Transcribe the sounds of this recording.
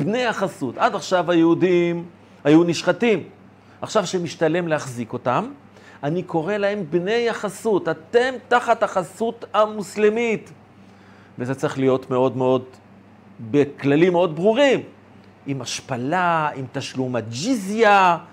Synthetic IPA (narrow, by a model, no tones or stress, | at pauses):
bne̞jaχasutadaχʃavajeudim | hajuniʃχatim | aχʃavʃemiʃtale̞mlehaχziko̞tam | aniko̞ʁe̞lahe̞mbne̞jaχasuthate̞mtaχataχasutamuslimit | vezet͡saʁiχlijo̞tme̞o̞dmeo̞d | beklalimeo̞dbʁuʁim | imaʃpalaimt̪aʃlumatd͡ʒizja